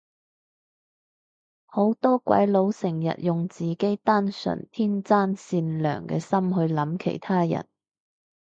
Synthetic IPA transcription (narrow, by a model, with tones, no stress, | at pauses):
ho˨˥wt̪ɔː˥kʷwɐ̰˨˥jlo˨˥wsɪ˨˩ŋjɐ̰˨t̚jʊ˨ŋt͡siː˨ke˨˥jt̪aː˥nsɵ̰˨˩nt̪ʰiː˥nt͡saː˥nsiː˧nlœ̰ː˨˩ŋkɛ̰ː˧sɐ˥mɦɵ˧ɥlɐ˨˥mkʰḛ˨˩jt̪ʰaː˥jɐ̰˨˩n